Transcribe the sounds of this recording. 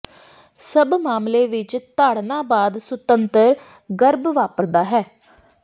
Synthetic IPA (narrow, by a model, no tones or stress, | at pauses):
səbmaːmleːʋɪt͡ʃt̪aːɽnãːbaːd̪sʊt̪ənt̪əɾ | ɡəɾbʋaːpəɾd̪aːɦɛː